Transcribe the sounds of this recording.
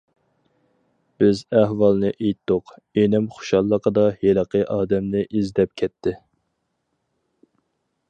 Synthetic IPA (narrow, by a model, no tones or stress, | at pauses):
b̥ɪzɛhwɑlˠnɨʔejt̪ʰːoqenɪmχʊ̥ʃɑlˠːəqəd̪ɑjeləqʰəʔɑːd̪ɛmnɪʔizd̪ɛp̚kʲʰɛt̪ʰːɪ